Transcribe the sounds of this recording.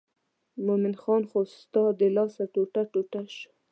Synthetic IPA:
momɪnxɑnxost̪ɑd̪əlɑsaʈoʈaʈoʈaʃ

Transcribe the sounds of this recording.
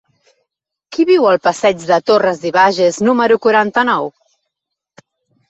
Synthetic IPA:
kiβiwəlˠpəsɛd͡ʒd̪ət̪orəzðiβaʒeznuməɾukuɾant̪ənɔw

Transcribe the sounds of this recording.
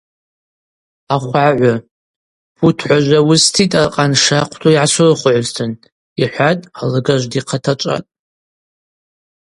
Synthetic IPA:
aχʷaʕʷʊ | bʰutʰħʷaʒʷawʊstʰitʼaqʼanʂaqʷʰtʰoiʕasɨrχʷʊʕʷztʰɨn | iħʷatʼalɨɡaʒʷdiqʰatʰat͡ʃʷʼa̰tʼ

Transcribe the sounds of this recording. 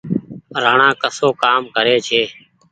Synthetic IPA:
ɾaːɳãːkəsoːkaːmkəɾeːt͡ʃʰeː

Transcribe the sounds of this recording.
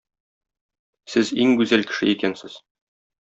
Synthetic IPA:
sɘziŋɡʉzælkɘ̥̆ʃɘ̰ikænsɘz̥

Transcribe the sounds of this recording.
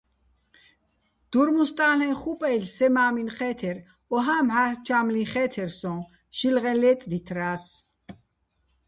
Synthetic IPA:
d̪̥uɾmust̪ʼaːlɛnχupʼɛjlsɛmaːminχɛːt̪ʰɛɾ | ɔɦaːmhat͡ʃʰamlĩχɛːt̪ʰɛɾsɔ̃ː | ʃilʁɛlɛːt̪ʼd̪it̪ʰɾaːs

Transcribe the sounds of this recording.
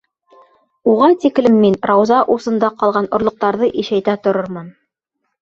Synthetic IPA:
uʁɑnt̪iklɘmːinɾɑwzɑʔusɤ̆nd̪ɑqɑlˠʁɑnŏɾlˠŏq̚t̪ɑɾðɤʔiʃæjt̪æt̪ŏɾoɾmɤn

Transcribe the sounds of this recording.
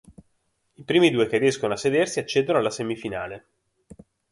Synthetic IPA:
ipɾiːmid̪uːekerːijɛskonoasːed̪ersiat͡ʃːeːd̪onoalːasemifinaːle

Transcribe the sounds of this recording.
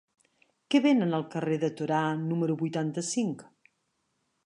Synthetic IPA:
kɛβenənəlˠkəreðət̪uɾanuməɾuβujt̪ant̪əsiŋk

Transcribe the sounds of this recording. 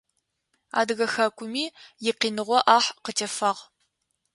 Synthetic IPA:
a̰ːdɨɣɐxaːkʷʰʼʊmiːjɪqiːnɨʁʷɔʔaːħqətʰɐfɐːʁ

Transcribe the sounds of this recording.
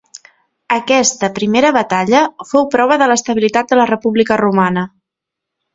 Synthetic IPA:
əkɛst̪əpɾimeɾəβət̪aʎəfowpɾɔβ̞əðələst̪əβ̞ilit̪at̪̚d̪ələrəpuβlikərumanə

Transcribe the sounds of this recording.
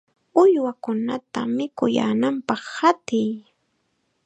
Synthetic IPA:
ʊjwakʊnat̪amɪkʊja̰ːnampɑχhat̪ɪj

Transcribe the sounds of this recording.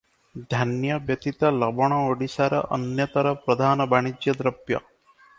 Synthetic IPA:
d̪ʱanjɐbjɐt̪it̪ɐlɐbɐɳ̃ɐoɽisaɾɐ̰ʔɐnjɐt̪ɐɾɐpɾɐd̪ʱaːnɐbaːɳ̃id͡ʒjɐd̪ɾɐbjɐ̰

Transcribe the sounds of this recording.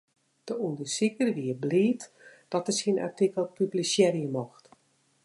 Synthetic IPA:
d̥əundəsikərʋiəbliːt | d̥ɔtəsina̰rtikəlˠpyblisjɛɾjəmɔxt

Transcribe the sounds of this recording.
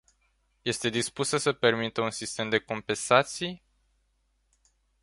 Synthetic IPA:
je̞st̪e̞d̪ispusəsəpe̞rmit̪əunsist̪e̞md̪e̞ko̞mpe̞nsat̪sij

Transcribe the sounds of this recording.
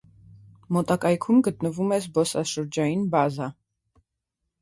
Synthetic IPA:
mɔt̪ɑkɑjkʰumɡət̪nəvumɛsbɔsɑʃəɾd͡ʒɑjinbɑzɑ

